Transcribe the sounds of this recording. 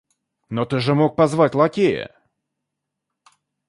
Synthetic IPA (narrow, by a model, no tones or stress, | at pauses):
not̪ɨʐɨmok̚pɐzvatʲlˠɐkʲejə̰